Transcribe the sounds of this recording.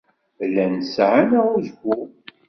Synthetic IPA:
lænsʕanæuzɡʷʊ

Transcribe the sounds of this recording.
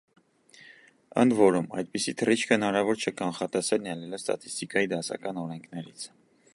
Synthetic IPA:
ə̰nd̪vɔɾumɑ̰jd̪̚pisit̪ʰərit͡ʃʰkʰəhənɑɾɑvɔɾt͡ʃʰəkɑnχɑt̪ɛsɛlnɛlɛləst̪ɑ̰t̪ʰi̥st̪ikɑjid̪ɑsɑ̰kɑnɔɾɛŋkʰnɛɾḭt͡sʰ

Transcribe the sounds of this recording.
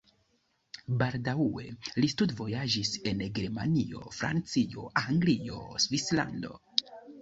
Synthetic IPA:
baldaue̞̰listudvo̞jad͡ʒise̞nɡe̞ɾma̰nio̞fɾa̰nt͡sio̞ʔaŋɡlio̞̰svisla̰nd̪o̞̰

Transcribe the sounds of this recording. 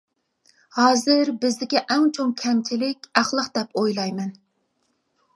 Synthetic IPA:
hɑːzɪɾbɪzd̪ɪkʲɛʔɛŋt͡ʃʰoŋkʲʰɛmt͡ʃʲʰilɪkʲæχlˠəqd̪̥ɛpojlˠɑjmɛn

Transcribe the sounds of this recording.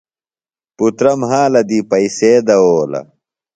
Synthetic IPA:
put̪ɾɐmɦãːlɐd̪iːpɐiseːd̪ɐoːlɐ̰

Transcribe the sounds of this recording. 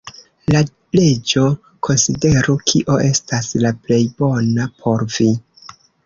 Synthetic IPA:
la | le̞d͡ʒo̞ | kʰo̞nside̞ɾukʰiʔo̞ʔe̞staslaple̞jbo̞napʰo̞ɾvi

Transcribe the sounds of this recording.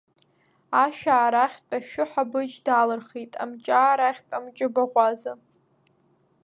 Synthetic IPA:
aʃᶣaːɾaχʲt͡pʷʼaʃᶣʊħabɨd͡ʒdalɨrχejtʼa̰mt͡ʃʼaːɾaχʲtʼamt͡ʃʼɪbaʁʷaza

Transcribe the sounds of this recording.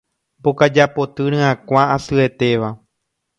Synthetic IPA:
bokad͡ʒapo̞t̪ɨɾ̃ɨ̃ãkʷaasɨe̞t̪e̞ʋa

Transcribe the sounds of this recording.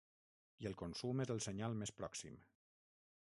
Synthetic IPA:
iəlˠkonsumezðəlˠsəɲalˠmespɾɔksḭm

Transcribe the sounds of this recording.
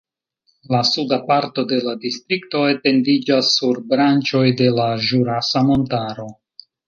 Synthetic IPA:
lasudapaɾto̞de̞ladistɾikto̞ete̞ndid͡ʒasːuɾbɾant͡ʃo̞jde̞laʒuɾasamo̞ntaɾo̞

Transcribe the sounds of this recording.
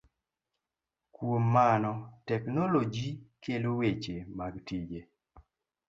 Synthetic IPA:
kwomːanɔtɛknɔlod͡ʒikelowet͡ʃemaɡtid͡ʒe

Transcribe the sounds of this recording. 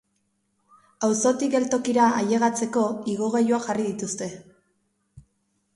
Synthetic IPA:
awso̞t̪iɡe̞lt̪o̞kiɾaaje̞ɣat͡se̞ko̞iɣoɣajuaʝarið̞it̪ust̪e̞

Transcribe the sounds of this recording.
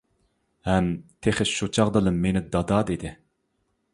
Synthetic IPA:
hɛmt̪ʰeχɪʃut͡ʃʰɑʁd̪ɨlˠɨmːenɪd̪ɑd̪ɑd̪ed̪ɪ

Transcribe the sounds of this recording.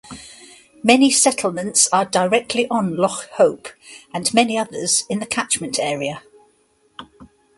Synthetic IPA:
mɛnisɛtʰˡl̩ˠmə̃ntsədəɹɛk̚tʰliʔə̃nlɒkhəʊpə̃nmɛniʌðəz̥ɪ̃nðəkʰat͡ʃmə̃ntʰɛːɹiə

